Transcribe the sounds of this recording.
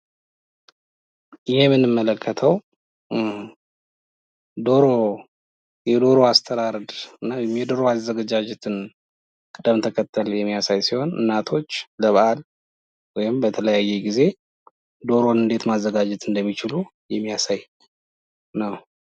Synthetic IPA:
ʔɨjemɨnːɨmːələkʰːət̪ʰəw | d̪o̞ɾo̞ | jɛd̪o̞ɾoast̪ʰəɾaɾd̪ɨnːamjɛd̪o̞ɾo̞azːəɡad͡ʒad͡ʒɛt̪ʰɨn | kʼɨd̪əmt̪ʰəkʰət̪ʰːəljɛmːijasajsiho̞nɨ̰nːat̪ʰo̞t͡ʃːləβəʔal | wɔjɪmbət̪ʰələjajːɛɡize̞ | d̪o̞ɾo̞nɨnd̪e̞t̪mazːəɡad͡ʒɛt̪ɨnd̪əmːit͡ʃɪlu | jɛmːijasaj | nəw

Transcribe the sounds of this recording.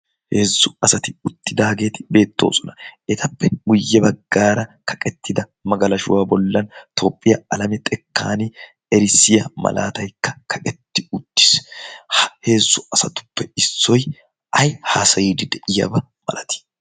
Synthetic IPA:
he̞ːsːʊɐsɐt̪ɪʊt̪ːɪd̪aːɡe̞ːt̪ɪ̥be̞ːt̪ːo̰ːsʼɔnɐʔɛt̪ʰɐpːɛɡʊjːɛbɐɡːaːɾɐkʰɐ̥kʼɛt̪ːɪd̪ɐ | mɐɡɐlɐʃʊwaːbɔlːɐnt̪ʰo̞ːpʼːɪjɐɐlɐmɛt̪ʼɛkːa̰ːnɪ | ɛɾɪsɪjɐmɐ̰la̰ːt̪ɐjkːɐkʰɐkʼɛt̪ːɪʊt̪ːɪ̥shhe̞ːsːʊɐsɐt̪ʊ̥pːɛɪsːɔj | ʔɐjhaːsɐjiːd̪ɪd̪ɛʔɪjɐ̰bɐ | mɐ̰lɐt̪ɪ̥

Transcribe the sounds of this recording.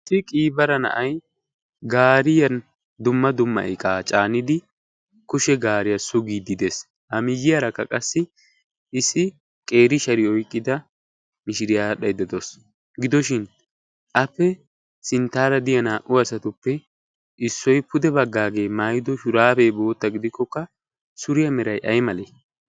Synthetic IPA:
sɪkʼiːbɐɾɐnɐ̰ʔɐj | ɡaːɾɪjɐn | d̪ʊmːɐd̪ʊmːɐ̰ʔɪkʼaːt͡ʃʼaːnːɪd̪ɪ | kʊʃɛɡaːɾɪjɐsʊɡiːd̪ɪd̪es | hɐmɪjːɪjɐɾɐkːɐkʼɐsːɪ | ɪsːɪ | kʼe̞ːɾɪʃɐɾɪɔjkʼːɪd̪ɐ | mɪʃɪɾɪjaɗɐjd̪ɐd̪ɔs | ɡɪd̪ɔʃɪn | ʔɐpːɛ | sɪnt̪ːaːɾɐd̪ɪjɐnaːʔʊɐsɐt̪ʊpːɛ | ʔɪsːɔjpʊd̪ɛbɐɡːaːɡe̞ːmaːjɪd̪ɔʃʊɾaːfɛbo̞ːt̪ːɐɡɪd̪ɪkːɔkːɐ | sʊɾɪjɐmɛɾɐjʔɐjmɐle

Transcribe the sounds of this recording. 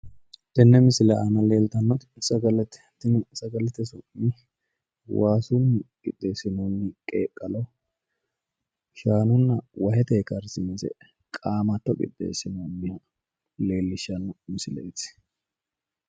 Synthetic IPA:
t̪ɛnːɛmɪsɪlɛɐnɐle̞ːlt̪ɐnːɔt̪ɪsɐɡɐlɛt̪ɛ̥t̪ːɪnsɐɡɐlɛt̪ɛsʊʔɪ | waːsunːɪkʼɪ̰d̪esɪnunːɪkʼḛːkʼːɐlɐ | ʃaːnʊnːɐwɐhɛt̪eːkɐɾsɪnsɛ̰ | kʼaːmɐt̪ːɔkʼɪ̰d̪ʼːḛːsɪnomːɪhɐ | le̞ːlːɪʃːɐnːɔmɪsɪlḛːt͡s̪

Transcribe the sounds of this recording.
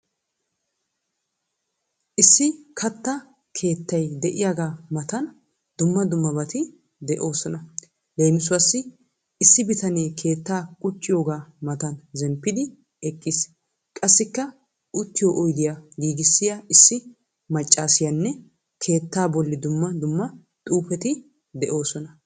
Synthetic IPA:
ʔɪsːɪkʰɐt̪ːɐ | kʰe̞ːt̪ːɐjd̪ɛʔɪjaːɡaːmɐt̪ɐn | d̪̥ʊmːɐd̪ʊmːɐbɐt̪ɪ | d̪ɛʔo̞ːsɔnɐ | le̞ːmɪsʊwɐsːɪ | ɪsːɪbɪt̪ɐneːkʰe̞ːt̪ːaːkʼʊt͡ʃʼːɪjoːɡaːmɐt̪ɐnzɛmpːɪd̪ɪ | ɛkʼːɪs | kʼɐsːɪkːɐ | ʔʊt̪ːɪjoʔɔjd̪ɪjaɡiːɡɪsːɪjɐɪsːɪ | mɐt͡ʃʼːaːsɪjɐnːɛ | kʰe̞ːt̪ːaːbɔlːɪd̪ʊmːɐd̪ʊmːɐ | t̪ʼuːpɛt̪ɪ | d̪ɛʔo̞ːsɔnɐ

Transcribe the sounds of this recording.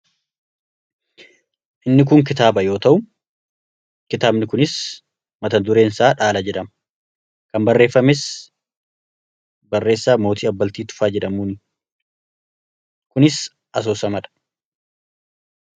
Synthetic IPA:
ʔɪnːɪk̬ʊŋk̬ɪt̪aːbɐjo̞ːt̪ɐʔʊ | kɪt̪aːbnɪkʊnɪs | mɐt̪ɐnd̪ʊɾe̞ːnsaːᶑaːlɐd͡ʒɛᶑɐm | kɐmbɐrːe̞ːfːɐmes | bɐrːe̞ːsːaːmo̞ːt̪iːɐbːɐlt̪iːt̪ʊ̥faːd͡ʒɛᶑɐmuːnɪ | kʊnɪs | ʔɐs̬oːsɐmɐᶑɐ̥

